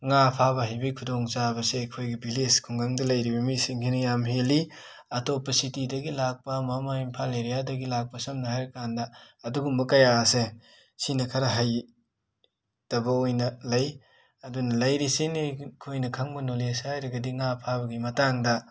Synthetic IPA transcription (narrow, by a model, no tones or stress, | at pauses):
ŋapʰabɐɦajbikʰudoŋzabɐsekʰojɡibileskʰuŋɡaŋdɐlɐjɾibɐmisiŋkʰinɐjamɦeli | ɐtopɐsitidɐɡilak̚pɐmamaimpʰaleɾijadɐɡilak̚pɐsɐmnɐhajɾkandɐɐduɡumbɐkajase | sinɐkʰɐɾɐɦaj | d̥ɐbɐojnɐlɐj | ɐdunɐlɐjɾisinikʰojnɐkʰaŋbɐnolesajɾɐɡɐdiŋapʰabɐɡimɐtaŋdɐ